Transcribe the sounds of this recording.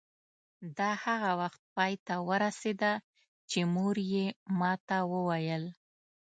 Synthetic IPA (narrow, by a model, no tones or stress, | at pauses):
d̪ɑhaɣawaxt̪̚pɑjt̪awəɾased̪a | t͡ʃemoɾjemɑt̪awəwajəl